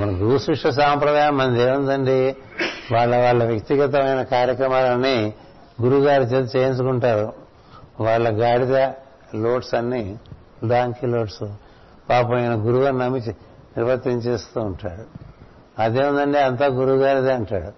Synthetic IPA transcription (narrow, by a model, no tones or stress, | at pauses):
mɐnɐɡuɾusɾuʂʈɐs̬aːmpɾɐd̪aːjɐmɐnd̪eːund̪ɐɳɖi | ʋaːɭːɐʋaːɭːɐʋjɐkt̪iɡɐt̪̬ɐmɐjnɐkaːɾjɐkɾɐmaːlɐnːi | ɡuɾuɡaːɾit͡ʃet͡ʃeːinsukuɳʈaːɾu | ʋaːɭːɐɡaːɽid̪ɐ | lo̞ːʈsɐnːi | laːŋkiloːʈsu | paːpojɐnɐɡuɾuɡaːɾnɐmit͡ʃi | niɾʋɐt̪ːiɲt͡ʃe̞ːst̪uːɳʈaːɽu | ɐd̪eːund̪ɐɳɖeɐnt̪aːɡuɾuɡaːɾid̪ɐɐɳʈaːɽu